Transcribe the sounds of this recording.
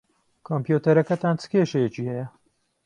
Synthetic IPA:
kʰoːmpjuːt̪ɐɾɐkɐt̪aːnt͡sɨ̥keːʃɐjɛt͡ʃiːhɛjɛ

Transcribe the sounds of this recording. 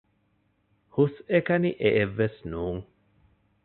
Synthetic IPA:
husekɐniʔeʔeʋːesnuːŋ

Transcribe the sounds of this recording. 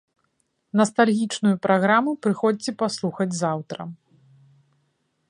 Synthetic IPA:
nɐst̪alʲɣʲit͡ʂnujupɾʔaɣɾamupɾɨxɔd͡zʲt͡sʲɛpaslˠuxɐd͡zʲzawt̪ɾɐ̰

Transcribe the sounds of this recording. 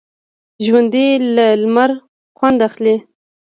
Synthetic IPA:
ʒwand̪ilalmaɾ | χwand̪aχli

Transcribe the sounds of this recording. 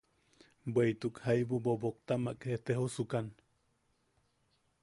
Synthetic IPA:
bwejt̪ukhajbubobok̚t̪amaʔkeht̪eɦusukan

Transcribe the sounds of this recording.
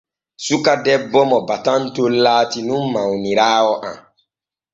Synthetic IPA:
sukadɛbːɔmɔbatantolːaːtinunːawniɾaːwɔʔa̰m

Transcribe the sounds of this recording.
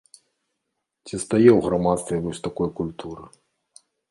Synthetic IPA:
t͡sʲist̪ajɛwɣɾamat̪st̪vʲɛvɔsʲt̪akɔjkulʲt̪ʰuɾɨ

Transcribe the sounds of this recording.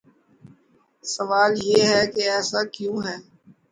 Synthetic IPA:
səʋaːljeːɦɛkeɛːsakjũːɦɛː

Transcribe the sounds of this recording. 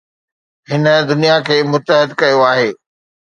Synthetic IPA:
ɦɪnə̆d̪ʊnijakʰeːmʊt̪əɦɪd̪kɐjoaːɦeː

